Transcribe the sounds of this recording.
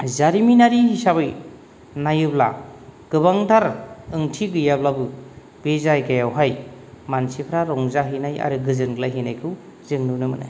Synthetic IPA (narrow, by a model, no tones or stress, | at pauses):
zaɾiminaɾiɦisaβɯj | najɯbla̰ɡ̥ɯbaŋdʰaɾɯŋtʰiɡɯjablabɯ | bezajɡajawɦajmansipʰɾaɾɔŋzaɦɯnaja̰ɾɯɡɯzɯnɡlajɦɯnajkʰɯw | zɯŋnɯnɯmɯna̰j